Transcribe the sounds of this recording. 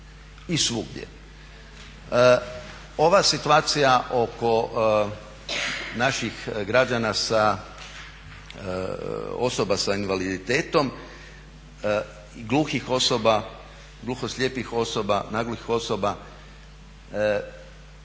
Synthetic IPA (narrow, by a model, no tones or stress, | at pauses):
isʋuɡd̪ʲjḛ | o̞ʋasit̪uaːt̪sijaʔo̞ko̞ | naʃixɡɾad͡ʒanasa | o̞sobasainʋalid̪it̪e̞ːt̪o̞m | ɡlˠuːxixo̞soba | ɡlˠuːxost̪ʎʲjeːpixo̞sobanaɡluxixo̞soba